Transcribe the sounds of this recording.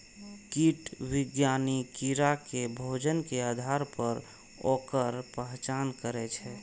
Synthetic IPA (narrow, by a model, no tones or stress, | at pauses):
kiʈwɪɡjanikiɾakebʱod͡ʒənkead̪ʱaɾpəɾ | okəɾpəɦt͡ʃankəɾɛt͡ʃʰɛ